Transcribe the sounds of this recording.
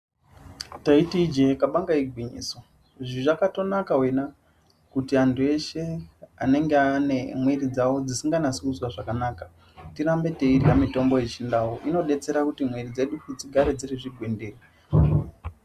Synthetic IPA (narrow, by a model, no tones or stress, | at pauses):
taitid͡ʒekaɓaŋɡaiɡʱwiɲḭːso | ʐiʐakato̞nakawena | kutiantʰue̞ʃe̞a̰ne̞ŋɡeane̞mwe̞rid͡zawo̞d͡zisiŋɡanasiuswaʐakanaːka | tiɾambe̞te̞iriamito̞mbo̞jet͡ʃindawoʔino̞ɗe̞t͡se̞ɾakutimwerid͡ze̞ɗuut͡siɡʱaɾed͡zireʐiɡʱwendeːri